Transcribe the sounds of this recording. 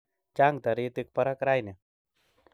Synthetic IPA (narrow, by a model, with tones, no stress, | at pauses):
t͡ʃa˦ŋt̪a˨ɾi˧t̪i˧k̚pa˧ɾa˦kɾa˦jni˨